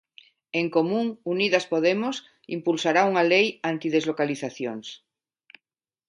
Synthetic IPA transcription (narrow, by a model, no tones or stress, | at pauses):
eŋkomũŋuniðaspoðemos | impulsaɾauŋalejant̪ið̞ezlokaliθaθjo̰ŋs